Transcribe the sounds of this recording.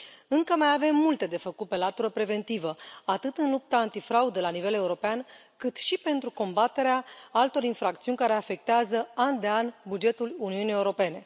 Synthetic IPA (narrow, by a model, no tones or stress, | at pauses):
ɨŋkəmajave̞mːult̪e̞d̪e̞fəkut̪̚pe̞lat̪uɾəpɾe̞ve̞nt̪ivəat̪ɨt̪ɨnlup̚t̪əant̪ifɾaud̪əlanive̞le̞uɾo̞pean | kɨt̪ʃipe̞nt̪ɾuko̞mbat̪e̞ɾeaalt̪o̞ɾinfɾak̚t̪siunʲkaɾe̞afe̞k̚t̪eazəand̪e̞anʲbud͡ʒe̞t̪uluniunije̞uɾo̞pe̞ne̞